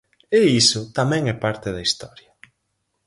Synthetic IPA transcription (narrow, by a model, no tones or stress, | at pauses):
eisʊt̪amɛ̃ŋɛpaɾt̪ɪðɐist̪ɔɾjɐ